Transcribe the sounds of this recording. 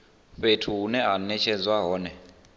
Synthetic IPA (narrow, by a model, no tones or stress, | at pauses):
ɸetʰuɦunɛɦanɛt͡ʃʰɛd͡zwaɦɔːnɛ